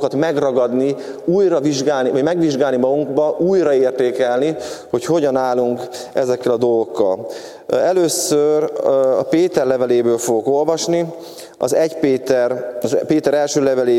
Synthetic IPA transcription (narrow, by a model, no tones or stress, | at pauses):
kɒt̪mɛɡrɒɡɒd̪ni | uːjrɒviʒɡaːlnivɒɟmɛɡʋiʒɡaːlnimɒɡuŋɡbɒʔuːjrɒeːrt̪eːkɛlniho̞cho̞ɟɒnaːlːuŋk | ɛzɛkːɛlɒd̪o̞lɡokːɒ̰l | ɛløːsørɒ̰peːt̪ɛrlɛvɛleːbøːlfoɡoko̞lvɒʃni | ɒ̰zɛɟpeːt̪ɛrɒzpeːt̪ɛɾɛlʃøːlɛvɛleː